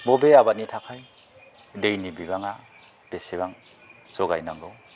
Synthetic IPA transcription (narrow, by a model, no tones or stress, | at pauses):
bobeabat̚nitʰakʰaj | dejnibibaŋa | b̥eseβaŋ | sɔɡajnaŋɡow